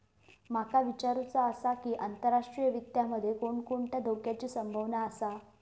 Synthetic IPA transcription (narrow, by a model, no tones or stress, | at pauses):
makaʋit͡ɕaɾut͡saːsakiːʔant̪əɾːaʂʈɾijəʋik̚t̪jaməd̪ʱːjekoɳkoɳʈ̪jad̪ʱokjat͡ɕiːsəmbʱəʋnaːsa